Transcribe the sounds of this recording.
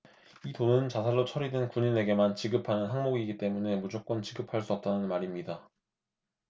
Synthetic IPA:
itonɯnt͡ɕasʰaɾot͡ɕʰʌɾidwenkuɲine̞ɡe̞mant͡ɕiɡɯpʰanɯnɦaŋmoɡiɡit͈e̞mune̞mud͡ʑok͈̚wʌnt͡ɕiɡɯpʰaɭs͈uʌp̚t͈anɯnmaɾimɲida

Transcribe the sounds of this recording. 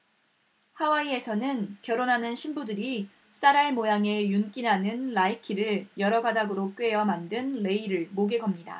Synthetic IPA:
hawaie̞sʰʌnɯnkjʌɾonɦanɯnɕʰimbudɯɾi | s͈aɾaɭmojaŋe̞junk͈inɦanɯnlaikʰiɾɯɭjʌɾʌɡadaɡɯɾok͈ɥe̞jʌmandɯnle̞iɾɯɭmoɡe̞ɡʌmɲida̰

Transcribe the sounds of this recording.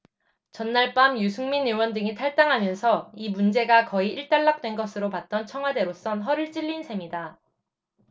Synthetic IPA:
t͡ɕʌnːaɭp͈amjusʰuŋminewʌndɯŋitʰaɭt͈aŋɦamjʌnsʰʌimund͡ʑe̞ɡakʌiʔiɭt͈aɭːak̚t͈we̞nɡʌsʰɯɾopat̚t͈ʌnt͡ɕʰʌŋɦwade̞ɾos͈ʌnɦʌɾɯɭt͡ɕ͈iʎːinsʰe̞mida

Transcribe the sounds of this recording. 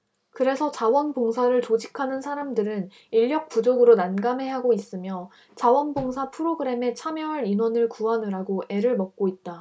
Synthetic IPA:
kɯɾe̞sʰʌt͡ɕawʌnboŋsʰaɾɯɭt͡ɕod͡ʑikʰanɯnsʰaɾamdɯɾɯn | iʎːjʌk̚p͈ud͡ʑoɡɯɾonanɡame̞ɦaɡois͈ɯmjʌ | t͡ɕawʌnboŋsʰapʰɯɾoɡɯɾe̞me̞t͡ɕʰamjʌɦaɾinwʌnɯɭkuanɯɾaɡoʔe̞ɾɯɭmʌk̚k͈oit̚t͈a

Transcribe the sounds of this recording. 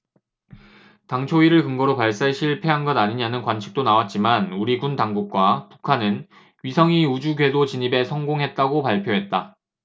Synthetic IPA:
taŋt͡ɕʰoiɾɯɭkɯŋɡʌɾopaɭs͈aɕʰiɭpʰe̞ɦanɡʌdaɲiɲanɯnkwant͡ɕʰi̥k̚t͈onawat̚t͡ɕ͈imanuɾiɡuntaŋɡuk̚k͈wapu̥kʰanɯn | ɥisʰʌŋiud͡ʑuɡɥe̞dot͡ɕiɲibe̞sʰʌŋɡoŋɦe̞t̚t͈aɡopaɭpʰjoɦe̞t̚t͈a

